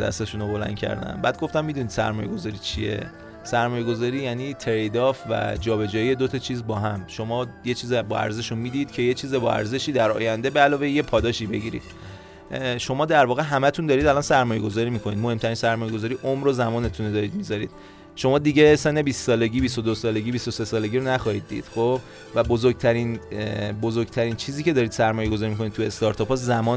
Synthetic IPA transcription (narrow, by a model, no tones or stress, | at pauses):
d̪æ̰st̪eʃunobo̞læ̰nd̪̥̚cʰæ̰ɾd̪æ̰mbæːd̪̚ɡo̞ft̪æmːid̪unid̪̥sæ̰ɾmɒːjeɡo̞zɒːɾiːt͡ʃʰie̞̰ | sæɾmɒːjeɡo̞zɒːɾiːjæniːt̪ʰeɾejd̪ɒːfvæ̰d͡ʒɒːbe̞d͡ʒɒːije̞d̪ot̪ʰɒt͡ʃʰiːzbɒːɦæmʃo̞mɒːjet͡ʃʰiːzebɒæ̰ɾze̞ʃunmiːd̪id̪̥cʰe̞jet͡ʃʰiːzebɒ̰ʔæ̰ɾze̞ʃiːd̪æɾɒ̰ːjænd̪ebeælɒːvejjepʰɒːd̪ɒːʃiːbe̞̰ɟiɾḭd̪̥̚ | ʃo̞mɒːd̪æɾvɒːɣe̞ɦæmæt̪ʰund̪ɒːɾid̪ælɒnsæɾmɒːjeɡo̞zɒːɾiːmikʰoniːd̪̚mo̞he̞mt̪ʰæɾinsæɾmɒːje̞ɡozɒːɾiːʔomɾozæmɒːne̞t̪ʰuned̪ɒːɾiːd̪mizɒɾḭːd̪̥̚ | ʃo̞mɒːd̪iɟesenːe̞bissɒːle̞ɟiːbist̪od̪osɒːle̞ɟiːbist̪ose̞sɒːle̞ɟiːɾonæxɒhiːd̪̚ːḭːd̪̥xob | væbozoɾɡ̚t̪ʰæɾinbozoɾɡ̥t̪ʰæɾint͡ʃʰiːziːcʰeɒːɾiːd̪̥sæɾmɒːjeɡozɒːɾimiko̞nit̪ʰue̞st̪ɒɾt̪ʰɒːpʰɒszæmɒː